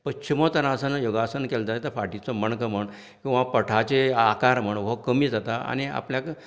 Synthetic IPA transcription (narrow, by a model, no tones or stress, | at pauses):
pət͡ɕʰimət̪ənasənjoɡasənkeld͡zajet̪əfaʈit͡sɔməɳkəməɳ | kʲĩw̃ʋapəʈʰat͡ɕeakaɾm̤əɳʋəkəmiːd͡zat̪aa̰ñia̰pljak